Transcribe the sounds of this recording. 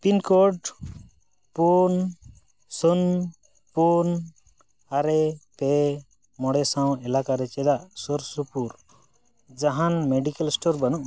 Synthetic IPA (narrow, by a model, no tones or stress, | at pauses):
pinkoɖ | pun | sun | pun | aɾɛpɛ | mɔɽɛsaw̃ɛlakaɾɛt͡ʃɛd̪aʔsoɾsupuɾ | d͡ʒaɦanmeɖikɛlsʈoɾbanuʔ